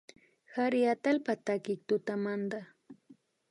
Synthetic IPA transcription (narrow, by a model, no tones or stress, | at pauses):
haɾɪat̪alpat̪akɪk̚t̪ʊt̪amand̪a